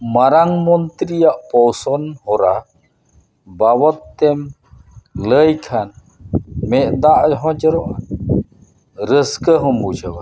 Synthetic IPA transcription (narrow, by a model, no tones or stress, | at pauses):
maɾaŋmɔnt̪ɾijaʔpɔwsɔnhɔɾa | bawɔt̪ːɛm | ləjkʰan | mɛʔd̪aʔd͡ʒɦɔ̃d͡ʒəɾɔʔa̰ | ɾəskəɦɔmbud͡ʒəwa